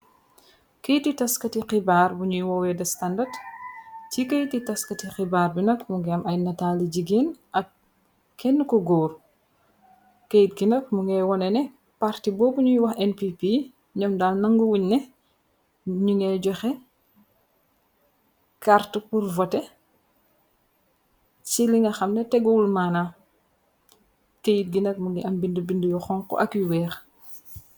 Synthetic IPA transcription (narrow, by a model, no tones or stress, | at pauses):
kəjtitɐskɐtiqibarbuɲujwɔwɛdɐstandɐd | cikəjtitɐskɐtixibaːrbinɐkmuŋɡɛɐmɐjnɐtaliɟiɡeːn | ɐk̚ | kːɛnːəkɔɡɔːr | kejt̚ɡinɐk̚muŋɡɛwɔnɛnɛ | paɾtibɔːbuɲujwɐxɛnpipi | ɲɔmdaːlnɐŋɡuwuɲnɛ | ɲuŋɛɟɔxɛ | kartəpurvɔtɛ | t͡ʃiliŋɐxɐmnɛtɛɡɔwulmaːna | kejit̚ɡinɐk̚muŋiɐmbindəbindujɔxɔŋkɔ̰ʔɐkjuwɛːx